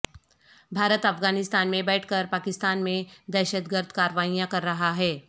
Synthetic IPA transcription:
bʱaːɾət̪ɐfɡaːnɪst̪aːnmẽbɛːʈʰkəɾpaːkɪst̪aːnmẽd̪ɛːʃəd̪ɡəɾd̪ʱkaːɾəʋaːijãkɐɾːɐɦaɦɛː

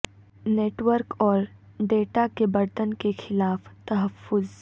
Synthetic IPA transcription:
neːʈwəɾkɔːɾ | ɖeːʈakebɐɾt̪ənkexɪlaːft̪ɐɦəfːʊz

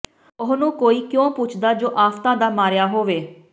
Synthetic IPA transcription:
ʊɦnũːkoːiːkjõːpʊt͡ʃʰd̪aːd͡ʒoːʔaːft̪ãːd̪aːmaːɾjaːɦoːʋeː

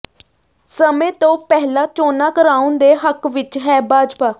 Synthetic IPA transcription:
səmẽːt̪õːpɛːlaːt͡ʃoːnaːkəɾaːʊ̃nd̪eːɦəkʋɪt͡ʃɦɛːbaːd͡ʒpaː

